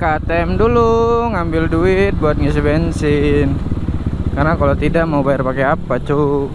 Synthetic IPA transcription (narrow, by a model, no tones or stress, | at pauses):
kat̪ɛmduluŋambɪlduɪt̪̚buat̪̚ŋas̬ibɛnsɪn | karnakalot̪idaʔmaubajarpakeapat͡ʃu